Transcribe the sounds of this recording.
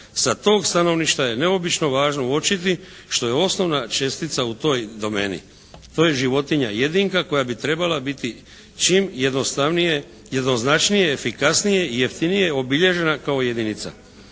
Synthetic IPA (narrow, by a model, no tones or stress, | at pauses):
sat̪o̞ːɡst̪ano̞ʋniʃt̪aje̞ne̞o̞bit͡ʃno̞ʋaːʒno̞ot͡ʃit̪̬i | ʃt̪o̞je̞o̞sno̞ʋnat͡ʃe̞st̪it̪saut̪o̞ːjd̪o̞me̞̰ːnḭ | t̪o̞ːje̞ʒiʋo̞t̪iɲa̰je̞d̪iŋkako̞jabit̪ɾe̞balabit̪i | t͡ʃimjed̪ost̪anie | je̞d̪no̞znat͡ʃnije̞ːfikasnije̞ije̞ft̪inije̞o̞biʎe̞ʒe̞nakao̞je̞d̪init̪sa̰